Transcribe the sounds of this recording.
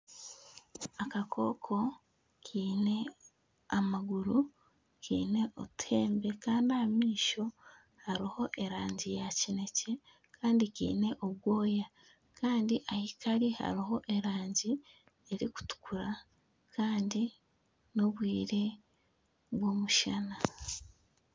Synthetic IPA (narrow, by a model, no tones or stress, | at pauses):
akakʰo̞̰ːkʰo̞ | kʰiːne̞ | amaɡuɾu | kʰḭːne̞ʔo̰tʰe̞ːmbe̞kaːndiamiːʃo̞ | haɾiho̞ʔe̞ɾaːɲɟijacine̞ce̞ | kʰaːndikḭːne̞ʔoβwo̞ːja | kaːndiʔahikaɾiha̰ɾiɦo̞ʔe̞ɾaːɲɟi | e̞ɾiku̥tu̥kuɾa | kʰaːndi | no̞βwiːɾe̞ | βwo̞ːmuʃana